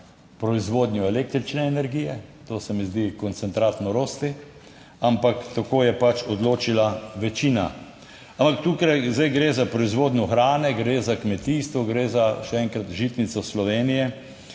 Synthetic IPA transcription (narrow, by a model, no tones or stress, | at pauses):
pɾɔizʋoːd̪njuɛlek̚t̪ɾit͡ʃnɛːnɛɾɡijɛt̪oːsɛmizd̪ikɔnt̪sɛnt̪ɾaːt̪nɔɾoːst̪i | ampakt̪akoːjɛpat͡ʃɔd̪loːt͡ʃilaʋɛt͡ʃiːna̰ | ampak̚t̪uːkɾajzd̪ajɡɾeːzapɾɔizʋoːd̪njɔxɾaːnɛɡɾeːzakmɛt̪iːst̪ʋɔɡɾeːzaʃɛɛŋkɾat̪ʒiːt̪nit̪sɔslɔʋeːnijɛ